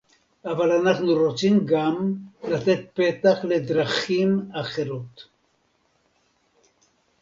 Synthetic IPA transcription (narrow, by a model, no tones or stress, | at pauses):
avalanaχnuʁo̞t͡simɡamlat̪e̞t̪̚pe̞t̪aχle̞d̪ʁaχimaχe̞ɾot̪